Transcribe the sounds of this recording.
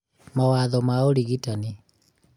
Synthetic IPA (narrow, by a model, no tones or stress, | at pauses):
mawaðɔmaoɾiɣitani